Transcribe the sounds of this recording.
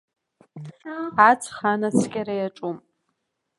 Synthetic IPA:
at͡sʰʼχanat͡sʰkʲʼaɾajaʈ͡ʂʼum

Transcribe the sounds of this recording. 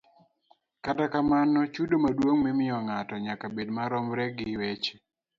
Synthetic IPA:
katakamanɔt͡ʃudomadwoŋmɛmɪɔŋatɔɲakabedmaɾɔmɾɛɡɪwet͡ʃe̥

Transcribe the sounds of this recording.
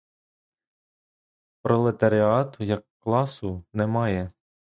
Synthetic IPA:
pɾɔlˠet̪ɐɾʲɪɑt̪ʊjɐkːlˠɑsʊnɛmɑjɛ

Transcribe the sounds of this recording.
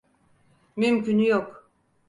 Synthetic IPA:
mymcʰynjok

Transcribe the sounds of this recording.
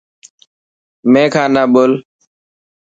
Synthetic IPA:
mẽːkʰãːnaːɓoːl

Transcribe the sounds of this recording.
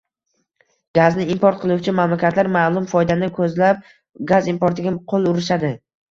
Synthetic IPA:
ɡ̥aznɪimpoɾt̪̚qʰɨlˠuwt͡ʃʰɪmamlakʲʰat̪ʰlaɾmaːlˠʊmfɒjd̪anɪkʰɵzlap̚ | ɡazimpoɾt̪ʰɪɡʲaqʰolˠʊɾɪʃad̪ɪ

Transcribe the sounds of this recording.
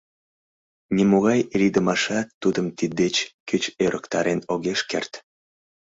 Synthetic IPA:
nʲimoɣɑjiɾid̪əmɑʃɑt̪ːud̪əmt̪id̪ːet͡ɕkøt͡ɕøɾʔəkt̪ɑɾenoɣeʃkḛrt̪

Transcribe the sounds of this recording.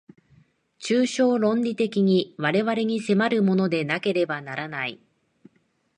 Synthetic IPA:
t͡ɕɨːɕo̞ːɾõ̞ɲɾʲit̪e̞kʲiɲ̟iβaɾe̞βaɾe̞ɲ̟ise̞maɾɯ̟mo̞no̞d̪e̞nake̞ɾe̞banaɾanai

